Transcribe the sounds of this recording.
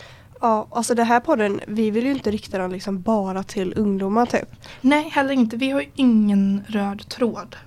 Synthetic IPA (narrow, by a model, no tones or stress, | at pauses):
ɑːʔalsɔd̪ɛnɦæːɾpʰɔd̪ːənvɪvɪljəɵɪnt̪əɾɪkt̪ad̪ɛnlɪksɔmbɑːɾat̪ʰɪlɵŋd̪uːmaɾt̪ʰy̰ːpnɛjhɛlːəɾɪnt̪əvɪhaɾjɪŋːənɾøːd̪t̪ʰɾoːd̪